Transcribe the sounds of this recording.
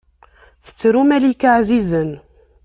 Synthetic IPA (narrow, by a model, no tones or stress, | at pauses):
θə̥t͡sːɾumælikaʕzizən